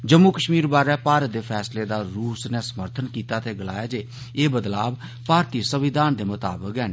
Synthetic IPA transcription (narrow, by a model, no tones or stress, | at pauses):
d͡ʒəmːuːkəʃmiːɾbaːɾɛːpaːɾət̪̚d̪eːpʰɛːsleːd̪aːɾuːsnɛːsəməɾt̪ʰənkiːt̪aːt̪eːɡəla̰ːjaːd͡ʒeː | eːbəd̪laːb | paːɾt̪iːsəʋɪd̪ʱaːnd̪eːmʊt̪a̰ːbəkɛː